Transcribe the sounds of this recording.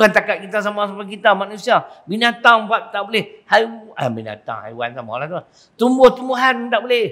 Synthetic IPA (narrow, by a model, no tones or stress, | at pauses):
kant̪akaʔ̪̚kit̪as̬amasapak̬it̪amanũsiabinat̪aŋpaʔ̚t̪aʔbolɛhhajabina̰t̪a̰ŋha̰jwa̰nt̪ama̰lat̪u | t̪umboht̪umbuɦant̪aʔbolɛh